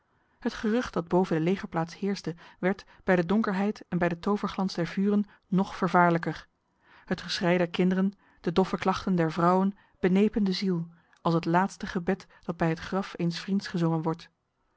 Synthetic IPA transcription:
hətχərʏχt̚d̥ɑd̚bowvəndəlejχəɹplaːtshɪːɹsdəʋɛɹt | b̥ɛjdədʊŋkəɹɦɛjtɛnbɛjdətowvəɹχlɑnzdɛɹvyːrənː | ɔχfəɹvaːɹləkəɹ | hətχəsrɛjdɛɹkɪndərən | d̥ədɔfəklɑχtəndɛɹvrɑwən | b̥ənejpəndəzilˠ | ɑlˠsɦətlaːtstəχəbɛtd̥ɑd̚bɛjɦətχrɑfejnsfrintsχəzɔŋənʋɔɹt

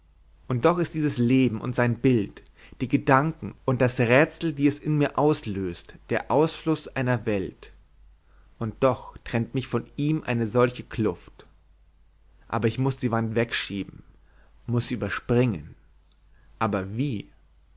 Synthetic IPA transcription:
ʔʊnt̚d̥ɔχɪst̚d̥iːzəsleːbm̩ʔʊ̰ntz̥aɪnbɪlt | d̥iːɡədaŋkŋ̩ʔʊnt̚d̥asʁɛːt͡sl̩diːɛsɪnmiːɐʔaʊsløːstd̥eːɐʔaʊsflʊsʔaɪnɐvɛlt | ʔʊnt̚d̥ɔχtʁ̥ɛntmɪçfɔniːmʔa̰ɪnəzɔlçəkʰlʊft | ʔa̰ːbɐɪçmʊsd̥iːvantv̥ɛkʃiːbm̩ | mʊsz̥iːʔyːbɐʃpʁ̥ɪŋən | ʔaːbɐviː

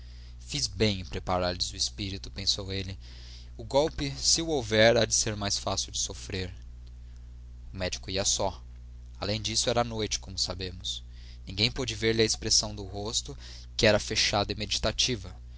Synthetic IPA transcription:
fizbẽj̃pɾepaɾaɾlɪzʊɪspiɾit̪ʊpẽsowelɪ | ʊɡɔwpɪsɪuowvɛɾad͡ʒɪseɾmajsfasɪwd͡ʒɪsofɾeɾ | ʊmɛd͡ʒikʊiɐsɔ | alẽj̃d͡ʒisʊɛɾɐanojt͡ʃɪ̥kõmʊsabẽmʊs | nĩɡẽj̃pod͡ʒɪveɾlɪɐespɾesɐ̃w̃d̪ʊɦost̪ʊ | kɪɛɾɐfeʃad̪ɪmed͡ʒit̪at͡ʃivɐ

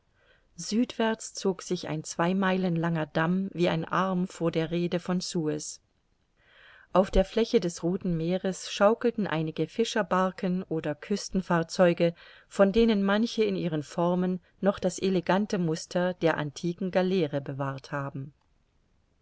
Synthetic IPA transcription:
z̥yːtv̥ɛɐt͡st͡soːkz̥ɪça̰ɪnt͡sv̥aɪmaɪlənlaŋɐdamviːa̰ɪnʔaɐmfoːɐdeːɐʁeːdəfɔnsuɛs | ʔaʊfd̥eːɐfl̥ɛçədɛsʁoːtn̩meːʁəsʃaʊkl̩tn̩ʔa̰ɪnɪɡəfɪʃɐbaɐkənʔoːdɐkʰʏstn̩faːɐt͡sɔʏɡə | fɔndeːnənmançəɪnʔiːʁ̞ənfɔʁmənː | ɔχd̥asʔeleɡantəmʊstʰɐdeːɐʔa̰ntʰiːkŋ̩ɡalɛːʁəbəvaːɐthaːbm̩

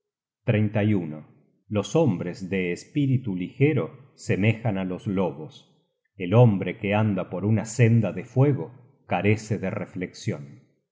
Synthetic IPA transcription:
t̪ɾejnt̪ajuno | lo̞so̞mbɾezðeːspiɾit̪ulixeɾosemexanalo̞zloβos | elombɾekeand̪apoɾunasend̪aðefweɣo | kaɾe̞seðerefleksjon

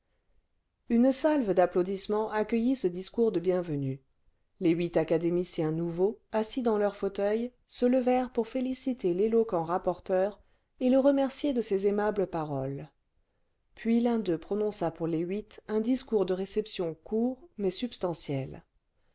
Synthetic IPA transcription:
ynsalvəd̪aplod̪ismɑ̃ʔakʲəjisəd̪iskuʁd̪əbjɛ̃vəny | leɥit̪akad̪emisjɛ̃nuvoasid̪ɑ̃lœʁfot̪œj | sələvɛʁpuʁfelisit̪elelɔkɑ̃ʁapɔʁt̪œʁ | eləʁəmɛʁsjed̪əsezemabləpaʁɔl | pɥilɛ̃d̪øpχɔnɔ̃sapuʁleɥit̪ɛ̃d̪iskuʁd̪əʁesɛpsjɔ̃kuːʁmɛsypst̪ɑ̃sjɛl

